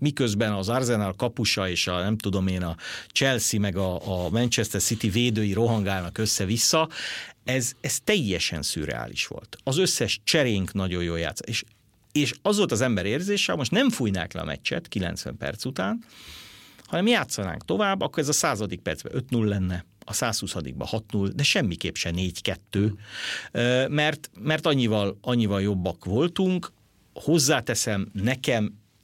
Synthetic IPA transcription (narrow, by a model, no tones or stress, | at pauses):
mikøzbɛnɒzɒrzɛnalkɒpuʃɒeːʃɒnɛmt̪ud̪o̞meːnɒt͡ʃɛlsimɛɡɒːmɛnt͡ʃɛst̪ɛrsit̪iveːd̪øːjiɾoɦɒŋɡaːlnɒkøsːɛvisːɒɛzɛst̪ɛjːɛʃɛ̰nsy̰ːɾɛ̰a̰ːlḭʃʋo̞̰lt̪ɒzø̞sːɛʃt͡ʃɛɾeːŋknɒɟo̞joːja̰ːt̪sːo̥t̪eːʃ | eːʃɒzʋo̞lt̪ɒzɛmbɛɾeːrzeːʃɛɒmoʃt̪nɛɱfujna̰ːklɛ̰ɒ̰mɛ̰t͡ʃːɛ̰t̪kilɛ̰nsʋɛ̰mpɛ̰rt̪sut̪aːn | hɒnɛmjaːt̪sːɒna̰ːŋk̚t̪o̞vaːbːɒkːoɾɛzɒsaːzɒd̪ik̚pɛrd̪z̥bɛ̰ʔø̞t̪nulːɛnːɛ | ɒsaːshusɒd̪ḭɡ̚bɒ̰hɒt̪nuld̪ɛʃɛmːikeːpʃɛneːɟkɛt̪ːøː | mɛrt̪mɛrt̪ɒɲːivɒlɒɲːivɒljo̞bːɒkʋo̞lt̪uŋk | ho̞zːaːt̪ɛsɛmnɛkɛm